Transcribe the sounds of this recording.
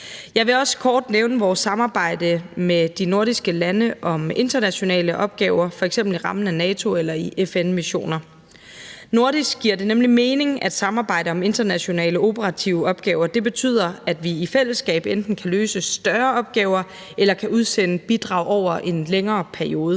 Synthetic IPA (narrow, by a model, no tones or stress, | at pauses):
jɑ̈ɪʋe̝ɒ̽sə̥kʰɒːd̥neʊnəʋɒːsːɑ̈mɑ̈ːb̥ɑ̈ɪ̰d̥əmed̥ino̝ɐd̥isɡ̥əlænəʔɒ̽me̝nd̥ɐnæɕo̝nɛ̰ːləʔɒ̽b̥̚ɡ̥ɛːʊɐfɒ̽eɡ̥sem̰b̥l̩iʁɑ̈mn̩ænɛːt͡sʰo̝elɐiʔefenmiɕo̝̰ːnɐ | no̝ɐ̰d̥isɡ̥̚ɡ̥iɐ̰de̝nemlime̝ːne̝ŋæd̥sɑ̈mɑ̈ːb̥ɑ̈ɪ̰d̥əɒ̽me̝nd̥ɐnæɕo̝nɛ̰ːləo̝bʰəʁɑ̈t͡sʰiʊəɒ̽b̥ɡ̥ɛːʊɐd̥e̝b̥e̝t͡sʰy̰ð̞̰ˠɐæd̥ʋiifel̰əsɡ̥ɛ̰ːb̥end̥n̩kʰæløːsəsd̥ɶɐɒ̽b̥̚ɡ̥ɛːʊɐ | elɐkʰæuð̞ˠsenəb̥id̥ʁɑ̈ʊ̰ɒʊ̰ɐʔe̝nleŋɐːpʰæɐio̝ːð̞ˠə